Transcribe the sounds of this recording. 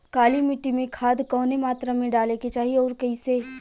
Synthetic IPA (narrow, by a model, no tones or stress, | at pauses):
kaːlimɪʈːimẽkʰaːd̪kɔːnemaːt̪ɾamẽɖaːleket͡ʃaːɦiɔːɾkɐĩse